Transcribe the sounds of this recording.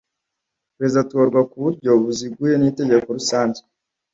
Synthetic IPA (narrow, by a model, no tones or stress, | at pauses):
pɾe̞zidatuoɾɡwakuβuɾɟo̞βuziɡuje̞nite̞ɟe̞ko̞ɾusaːɲɟe